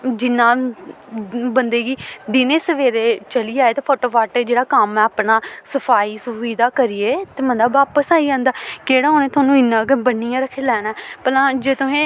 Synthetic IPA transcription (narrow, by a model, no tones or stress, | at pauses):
d͡ʒɪnːãː | bənd̪eːɡiːd̪ɪneːsəʋeːɾeːt͡ʃəliːd͡ʒaːeːt̪eːpʰoːʈoːʋaːʈed͡ʒeːɽaːkəmɛ̃ːaːpɳaːsəpʰaːiːsʊʋiːd̪aːkəɾieːt̪eːmə̃nd̪aːʋaːpəsaːiãːnd̪aːkeːɽaːɦoːnẽːt̪ʊaːnũːɪnːãːɡəbənːijãːɾəkʰːeːlɛːnɛːpəlãːd͡ʒeːt̪ʊɦẽː